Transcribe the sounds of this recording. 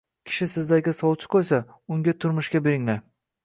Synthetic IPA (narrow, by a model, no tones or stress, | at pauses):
kʲʰɪ̥ʃɪsɪzd̪aɡʲɪsɒwˠt͡ʃʰɪ̥qʰojsa | ʊŋɡʲat̪ʰʊɾmʊʃkʲabeɾɪŋla